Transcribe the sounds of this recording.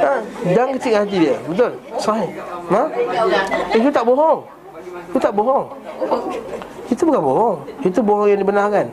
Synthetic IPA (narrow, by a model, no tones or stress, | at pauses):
adaŋkətikat̪̬idiəbət̪̬ʊlsaɦima | ikut̪aʔboɦɔŋ | ikut̪aʔboɦɔŋ | it̪ubəkaboɦɔŋit̪uboɦɔŋjaŋdibənakan